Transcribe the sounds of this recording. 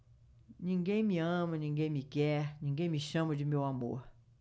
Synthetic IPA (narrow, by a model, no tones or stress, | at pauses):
ɲĩŋɡẽj̃mĩɐ̃mɐɲĩŋɡẽj̃mĩkɛɲĩŋɡẽj̃mĩʃɐ̃mɐd͡ʒɪmewamo̰ɾ